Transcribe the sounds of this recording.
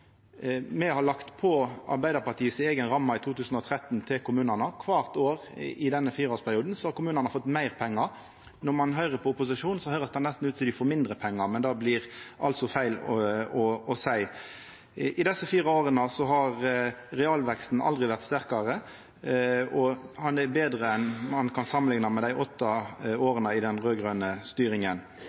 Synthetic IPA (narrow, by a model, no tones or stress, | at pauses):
mɛhɑɾlɑkt̪pʰɔɑ̰ɾbæɪd̪əɾpɑt̪ʰiːəsɪeːɡənɾɑmːɑɪt̪ʰuːt̪ʰʉːsn̩ɔt̪ʰɾɛt̪ːnt̪ʰɪlkʰʊmʉːnɑnəkʰʋɑːʁt̪oːʁɪd̪ɛnːəfiːɾəoːɾspʰæɾɪuːd̪n̩sɔhɑɾkʊmʉːnɑnəfɔt̪ːmæɪʁpʰɛŋːɑ | nɔmɑnɦœʏʁəpʰɔʊpʊs̬ɪʂuːnsɔhœʏɾəsd̪ɛnɛst̪n̩ʉːt̪ʰɪld̪ɪfoːɾmɪnd̪ʁəpʰɛŋːɑmɛnd̪ɑːblɪʁʔɑlt̪sɔfæɪlɔɔsæɪ | ʔɪd̪ɛsəfiːɾɑoːʁənəsɔɦɑʁɾɛɑːlʋɛkst̪n̩ɑ̰ld̪ɾɪʋæʁt̪st̪æʁkɑʁə | ɔhɑnd̪ɛbeːd̪ʁəɛnmɑnkʰɑnsɑmːənlɪŋnɑmɛd̪æɪʔɔt̪ːɑoːɾənəɪd̪ɛnʁøːɡɾœnəst̪yːɾɪŋən